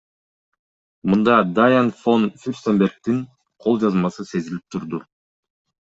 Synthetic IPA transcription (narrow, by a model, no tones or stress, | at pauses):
mund̪ɑd̪ajanfo̞nfʲyɾʲsembeɾk̚t̪iŋ | qʰo̞lˠd͡ʒɑzmɑsɯse̞zilip̚t̪ʰuɾd̪u